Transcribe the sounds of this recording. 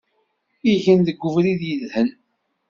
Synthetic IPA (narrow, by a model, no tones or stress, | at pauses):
iʝənðəɡʷːʊvɾiðjəðhən